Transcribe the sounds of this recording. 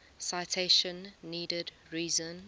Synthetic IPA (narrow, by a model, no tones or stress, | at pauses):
saɪtʰeɪʃə̃nːiːdəd | ɹiːzə̃n